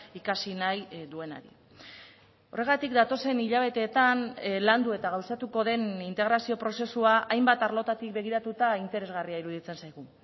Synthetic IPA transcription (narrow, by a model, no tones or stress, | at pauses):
ikasinajd̪ue̞na̰ɾḭ | o̞re̞ɣ̞at̪ikd̪at̪o̞se̞niʎaβ̞e̞t̪e̞ːt̪anland̪ue̞t̪aɣ̞awsat̪uko̞ðe̞nint̪e̞ɣ̞ɾasio̞pɾo̞se̞suaʔajmbat̪aɾlo̞t̪at̪ik̚be̞ɣ̞iɾat̪ut̪aint̪e̞ɾe̞zɣariaiɾuðit͡se̞nsajɣ̞u